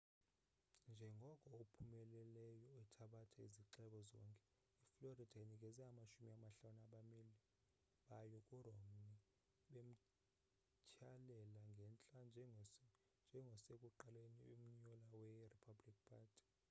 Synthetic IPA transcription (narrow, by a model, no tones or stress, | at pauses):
nd͡ʒʱɛŋɡʱɔkʼɔopʰumɛlɛlɛjɔɛtʰaɓatʰaiziǁɛk̬ʼɔzɔŋkʼɛ | ifloridʱanik̬ʼɛzɛamaʃumiamaɬanaɓamili | ɓajɔkʼuromni | ɓem̩ | cʰalɛlaŋɡʱɛnt͡ɬʼand͡ʒʱ | nd͡ʒʱɛŋɡʱɔsekʼuǃalenium̩ɲɔlawɛripʰablik̚pʰaːtʰi̥